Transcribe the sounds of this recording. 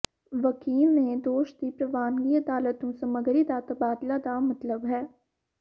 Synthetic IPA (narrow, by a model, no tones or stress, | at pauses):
ʋəkiːlmẽd̪oːʃd̪ipɾɐʋaːnɡiɐd̪aːlət̪õsɐməɡɾid̪at̪ɐbaːd̪lad̪amɐt̪ləbɦɛː